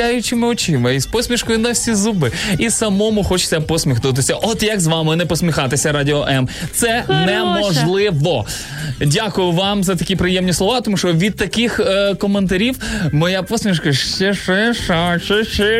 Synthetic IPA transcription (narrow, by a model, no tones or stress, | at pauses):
ajʊt͡ʃɪmɪɔt͡ʃɪmɐispɔsʲmʲiʃkɔjʊnɐfʲsʲizubɪisɐmɔmʊxɔt͡ʃɪ̥sʲɐpɔsʲmʲixnut̪̬ɪsʲɐʔɔt̪jɐɡzʋɑmɪnɛpɔsʲmʲixɑt̪ɪsʲɐɾɑdʲɪɔʔɛmt̪sɛnɛmɔʒlˠɪʋɔ | dʲakʊjʊʋɑmzɐt̪ɐkʲipɾɪjɛmnʲislˠɔʋɑt̪ɔmuʃt͡ʃɔʋʲid̪̚t̪ɐkɪxkɔment̪̬ɐɾʲiwmɔjapɔsʲmʲiʃkɐʃt͡ʃɛʃɛʃaʃɪʃɪ